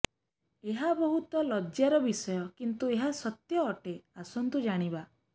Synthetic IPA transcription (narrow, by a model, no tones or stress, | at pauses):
eɦabɔɦut̪ɔlɔd͡ʒjaɾɔbisɔjɔkint̪ueɦasɔt̪jɔːʈeasɔnt̪ud͡ʒaɽ̃iba